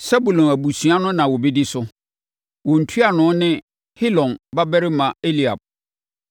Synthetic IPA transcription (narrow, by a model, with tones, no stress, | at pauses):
sa˦bu˨lɔ̃˨næ˨bu˨su˨˦a˦nʊ̃˦nã˨wɔ˨bɛ˦di˦sʊ˦ | wɔ˨n̩˨tʰu˦a˨nʊ̃˨˦nɪ̃˦ | hɪ˦lɔ̃˨nba˦bɛ˦ɾɪ˦mã˨e˦li˨a̰˨b̚